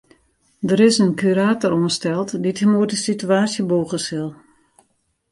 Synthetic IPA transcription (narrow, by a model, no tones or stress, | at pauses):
dəɾɪsənkʰyɾaːtəɾuənstɛlˠtdithəmuədəsityaːsjəboːɣəsɪlˠ